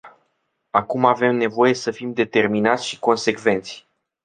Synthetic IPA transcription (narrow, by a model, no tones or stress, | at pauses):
akumave̞mne̞vo̞je̞səfimd̪e̞t̪e̞rminat̪sʲʃiko̞nse̞kve̞nt̪sʲ